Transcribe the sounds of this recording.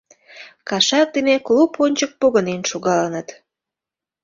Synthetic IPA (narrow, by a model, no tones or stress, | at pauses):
kɑʃɑk̚d̪eneklupʰonʲt͡ɕək̚poɣənenʃoɣɑlənət̪